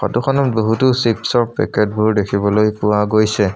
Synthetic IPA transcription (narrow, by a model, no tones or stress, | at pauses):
xɔ̰tukʰɔnɔboɦutusipsɔɹpɛ̰kɛt̚bʱuɹdekʰibɔlojpʊwaɡojsɛ